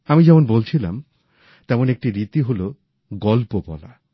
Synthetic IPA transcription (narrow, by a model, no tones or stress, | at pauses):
amid͡ʑɛmonbolt͡ɕʰilam | t̪ɛmonek̚ʈiɾit̪iɦolo | ɡɔlpobɔ̰la̰